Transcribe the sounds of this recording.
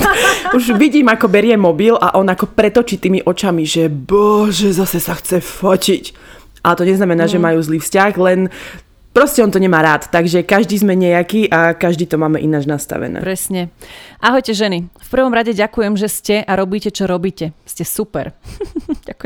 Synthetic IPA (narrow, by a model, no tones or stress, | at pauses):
uʒʋiɟiːmakɔbɛɾɪɛmɔbilaʔɔnakɔpɾɛt̪ɔt͡ʃiːt̪iːmiʔɔt͡ʃamiʒɛbɔʒɛzasɛsaxt͡sɛfɔcic | ʔalɛt̪ɔɲɛznamɛnaːʒɛmajuːzliːfscaxlɛn | pɾɔscɛɔnt̪ɔɲɛmaːɾaːt̪t̪aɡʒɛkaʒd̪iːzmɛɲɛjakiːʔakaʒd̪iːt̪ɔmaːmɛʔinaːd͡ʒnast̪a̰ʋɛ̰nɛ̰ːpɾɛsɲɛʔaɦɔjcɛʒɛnifpr̩ʋɔmɾaɟɛɟakujɛmʒɛscɛʔaɾɔbiːcɛt͡ʃɔɾɔbiːcɛscɛsupɛ̰ɾ | a